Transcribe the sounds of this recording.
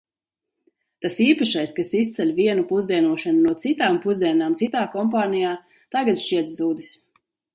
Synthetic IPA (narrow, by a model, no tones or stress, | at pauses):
t̪asiːpaʃajskasis̬t̪sɛlʲviɛnupuzd̪iɛnuɔʃanunuɔt̪sit̪aːmpuzd̪iɛnaːmtsit̪aːkɔmpaːnijaː | t̪aɡat̪ʃt͡ʃiɛt̪zuːd̪is